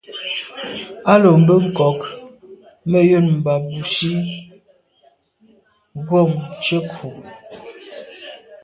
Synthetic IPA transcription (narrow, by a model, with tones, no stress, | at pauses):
a˦lo˨m̩˨˦bə˦ŋ̩˨kɔ˨k | mə˦jo˦˨nm̩˨ba˨bu˨ʃi˦ | ɣo˦˨mt͡ʃə˦kʰu˨